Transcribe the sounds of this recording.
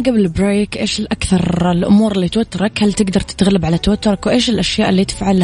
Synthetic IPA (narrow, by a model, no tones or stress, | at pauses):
ɡablɪbɾeːkʔeːʃɪlʔakθɑɾˤɪlʔʊ̰muːɾɪlːiːt̪wat̪ːɑɾˤɑkhalt̪ɪɡd̪ɑɾˤt̪ɪ̥t̪ɣalːabʕalat̪awat̪ːʊɾɑkwʔeːʃɪlʔaʃjaːʔɪlːiːt̪ɪ̥fʕalh